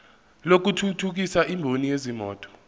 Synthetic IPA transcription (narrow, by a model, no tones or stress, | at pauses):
lok̬utʰutʰuk̬isaʔimbʱonijezimɔ̰ːtʼɔ̥